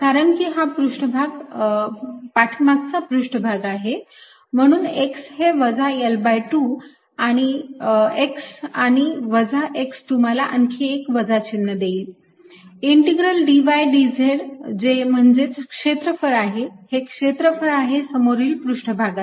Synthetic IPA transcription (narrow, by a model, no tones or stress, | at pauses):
kaɾəɳkiːɦapɾuʂʈəbʱaɡ | paʈʰmatt͡sapɾuʂʈəbʱaɡaɦe | m̤əɽ̃uːneksɦeʋəd͡zʱaelbajʈu | aɽ̃i | eksaɽ̃iʋəd͡zʱaʔekst̪um̤alaʔəŋkʰeːkʋəd͡zʱat͡ɕinːəd̪eiː | iɳʈiɡɾəlɖiʋajɖid͡zʱeɽd͡ʑem̤əɳd͡zet͡skʂet̪ɾəfəɾaɦehekʂet̪ɾəfəɾaɦesəmoɾiːlpɾuʂʈəbʱaɡat̪